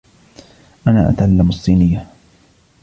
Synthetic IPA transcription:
ʔana̰ːʔa̰t̪ʕalːamɑsˤːiːnɪjːa

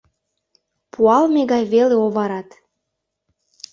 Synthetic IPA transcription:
puɑlmeɣɑjβeleoβɑɾɑt̪

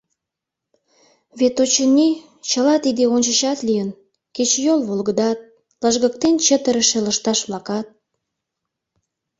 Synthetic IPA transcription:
βet̪ot͡ɕənʲi | t͡ɕəlɑt̪id̪eonʲt͡ɕəʃɑt̪lijən | ket͡ɕjolβolɣəd̪ɑt̪̚ | ləʒɣək̚t̪ent͡ɕət̪əɾəʃeləʃt̪ɑʃβlɑkɑt̪̚

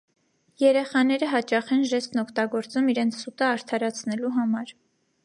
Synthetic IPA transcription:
jɛɾɛχɑnɛɾəɦɑt͡ʃɑχɛnʒɛst̪nɔkʰt̪ɑɡɔɾt͡sumiɾɛnt͡sʰsut̪əɑɾt̪ʰɑɾɑt͡sʰnɛluɦɑmɑɾ

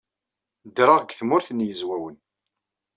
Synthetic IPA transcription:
d̪ɾɑʁɡθmʊɾθnjəzwæwən

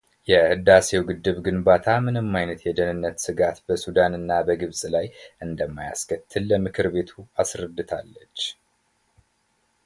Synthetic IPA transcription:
jɛhɨd̪ase̞wɡɨd̪ːɨβɡɨnbat̪ʰamɨnɨmːajnət̪jɛd̪ənɨnːət̪sɨɡat̪bəsud̪anɨnːabəɡɨβsʼlajʔɨnd̪əmːaja̰skʰət̪ʰːɨlːəmɨkʰɨɾbe̞t̪ʰuasɾəd̪ːɨt̪ʰa̰lːət͡ʃː

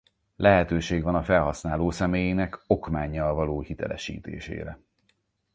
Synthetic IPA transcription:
lɛɦɛt̪øːʃeːɡʋɒnɒfɛlɦɒsnaːloːsɛmeːjenɛko̞kmaːɲːɒlvɒloːhit̪ɛ̰lɛ̰ʃḭːt̪ḛːʃḛːɾɛ

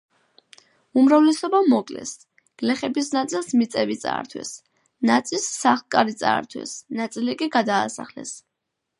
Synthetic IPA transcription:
umɾavlɛsɔbamɔkʼlɛ̰s | ɡ̥lɛχɛbisnat̪sʼilˠsmit̪sʼɛvit̪sʼa̰ːɾt̪ʰwɛ̰s | nat̪sʼilsːaχlˠkʼaɾit̪sʼa̰ːɾt̪ʰwɛ̰snat̪sʼilikʼiɡad̪aːsaχlɛ̰s

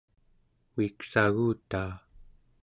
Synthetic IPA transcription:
uiksaɣuːt̪aː

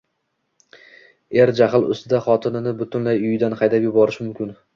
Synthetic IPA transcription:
eɾd͡ʒaχɪlˠʊ̰st̪ɪd̪aχɒt̪ʰɪnɪnɪbʊt̪ʰʊnlajʊjɪd̪anχɑjd̪apjʊbɒɾɪʃmʊmkʲɪn

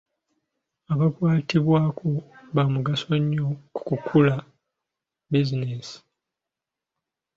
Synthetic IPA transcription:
aβakwaːtiβwaːkʰoβamuɡaso̞ɲːoku̥kukʰula | bizinesi̥

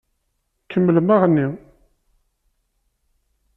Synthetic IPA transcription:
kʰəmːəlmaʁənːi

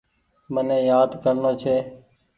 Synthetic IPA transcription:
mənẽːjaːd̪kəɾnoːt͡ʃʰeː

